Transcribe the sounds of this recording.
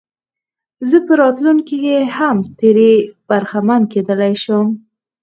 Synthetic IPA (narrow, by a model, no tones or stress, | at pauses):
zəpəɾɑt̪lunkikehamt̪eɾeb̥aɾxamanked̪əlajʃəm